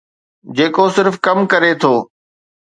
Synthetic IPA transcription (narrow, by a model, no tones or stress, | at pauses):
d͡ʑeːkosɪɾfkɐmkɐɾet̪ʰoː